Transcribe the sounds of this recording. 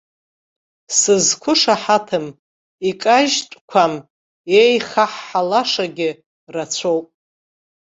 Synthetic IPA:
sɨzkʷʰʊʂaħatʰɨm | ikʼaʒtʷʼkʷʰam | ejχaħːalaʂaɡʲɪ | rat͡sʷʰowpʼ

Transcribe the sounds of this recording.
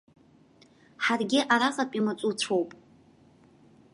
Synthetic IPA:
ħarɡʲɪʔaɾaχʼapʼimat͡sʷʼut͡ɕʷʰo̞wpʼ

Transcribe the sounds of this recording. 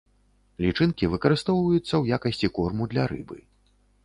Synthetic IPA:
lʲit͡ʂɨnkʲivɨkɐɾɨst̪ɔwvɐjut̪sːɐwjakɐsʲt͡sʲikɔrmud̪lʲɐɾɨ̰bɨ̰

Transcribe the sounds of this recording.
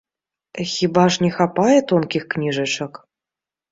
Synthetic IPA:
xʲibɑʂnʲexɑpɑjə̆t̪onkʲixknʲiʐɤ̆t͡ɕɤ̆k

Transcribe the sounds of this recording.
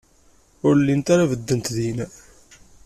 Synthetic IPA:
ʊɾlːint̪aɾavəd̪ːənt̪ðinæ

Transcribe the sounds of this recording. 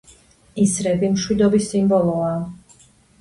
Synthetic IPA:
isɾɛbimʃwid̪ɔbisːimbɔlˠɔaː

